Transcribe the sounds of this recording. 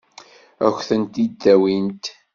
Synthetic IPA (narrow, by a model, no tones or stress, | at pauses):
æçθənt̪id̪ːæwint̪